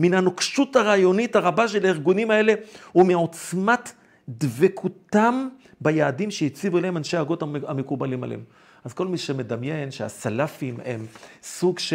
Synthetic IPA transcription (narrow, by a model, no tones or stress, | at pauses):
minanokʃutaʁajo̞nitaʁabaʃelaiʁɡunimae̞lehumeo̞t͡smat | d̪vekʰut̪am | bajaːdimʃejit͡sivueleemanʃeahaɡo̞taeamekubalima̰lḛḛm | azko̞lmiʃeme̞damje̞nʃea̰salafimhḛmsuɡʃ